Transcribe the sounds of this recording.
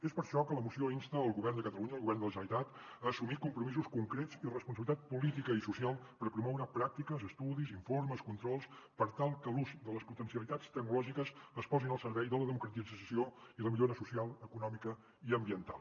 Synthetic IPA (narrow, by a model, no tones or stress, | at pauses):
espəɾʃɔkələmusioinst̪əːlˠɣuβɛɾrnd̪əkət̪əluɲəːlˠɣuβɛrnd̪ələʒənit̪at̪ | əːsumit̪̚kumpɾumizuskuŋkɾet͡sirəspunsəβilit̪at̪̚pulit̪ikəisusialˠpəɾpɾumɔwɾəpɾak̚t̪ikəzəst̪uðiziɱforməskunt̪ɾɔlˠs | pəɾt̪alˠkəluzd̪ələsput̪ənsiəlit̪at͡st̪ək̚nulɔʒikəsəspɔzinəlˠsəɾβɛjðələðəmukɾət̪izəsioiləmiʎoɾəsusialˠəkunɔmikə | iəmbiənt̪a̰lˠ